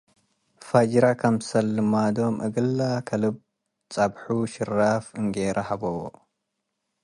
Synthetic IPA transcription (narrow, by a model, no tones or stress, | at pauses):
fad͡ʒɾakʰɐmsɐlːɨmad̪omʔɨ̰ɡɨlːakʰɐlɨb̚ | t͡sʼɐbħuʃɪrːafɨŋɡeɾʔɐhɐbɐwo̰